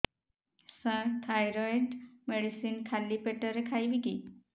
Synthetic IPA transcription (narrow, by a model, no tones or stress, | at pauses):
səɾt̪ʰajɾojʈmeɽisiːnkʰalːiːpeʈəɾekʰajʋiki